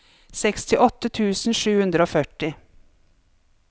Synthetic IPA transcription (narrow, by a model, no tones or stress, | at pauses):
sɛkst̪ʰɪʔɔt̪ət̪ʰʉːsn̩ʂʉːhʉnd̪ɾəoːfœʈɪ